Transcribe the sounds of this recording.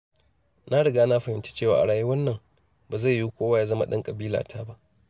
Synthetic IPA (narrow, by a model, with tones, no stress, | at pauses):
na˦ɽɐ˨ɡaː˦na˦ɸɐ˨hɪ˨nt͡ʃe̥˦t͡ʃeː˦˨waː˨ʔa̰˨ɽaː˨ji˦wɐ˦nːɐ˨ŋ | baː˨za˦˨jːu˦kʷoː˦waː˦ja˦zɐ˦ma̰˨ɗɐ˦ŋkʼɐ˨biː˦la̰˨tʰaː˦ba˦ʔ